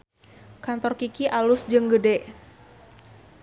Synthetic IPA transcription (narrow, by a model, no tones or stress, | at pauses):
kant̪ɔrkikiʔalusd͡ʒɨŋɡədɛʔ